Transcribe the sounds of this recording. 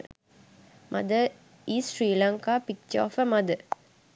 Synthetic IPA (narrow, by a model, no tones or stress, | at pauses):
mʔɐ̰d̪ə | iːsʃɾiːlɐŋkaːpik̚t͡ʃɔ̰ːfəmɐd̪ə